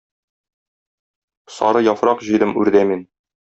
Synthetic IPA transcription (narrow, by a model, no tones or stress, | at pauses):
sɒɾɤjɒfɾɑqʑɤ̆jd̪ɤmʉɾd̪æmin